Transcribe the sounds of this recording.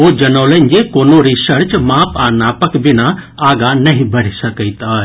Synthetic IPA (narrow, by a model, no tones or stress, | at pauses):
oːd͡ʒɐnoːlə̃ɲd͡ʒekoːnoɾisəɾt͡ʃmaːpaːnaːpəkbɪnaaːɡanɐɦĩbɐɽ̤isɐkəit̪aː